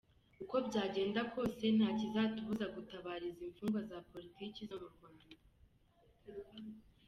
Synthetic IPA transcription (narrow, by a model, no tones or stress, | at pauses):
uko̞bɟaːɟe̞ːndako̞ːse̞n̥aːcizaːtuβuzaɡutaβaːɾiziɱfuːŋɡwazapo̞ɾitiːcizamuɾɡanu